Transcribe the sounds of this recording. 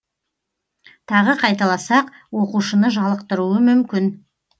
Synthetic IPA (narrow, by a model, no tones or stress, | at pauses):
t̪ʰɑʁəqʰɑjt̪ɑlˠɑsɑq | wo̞quʃənəʒɑlˠəq̚t̪əɾuəmʏmkʲɪn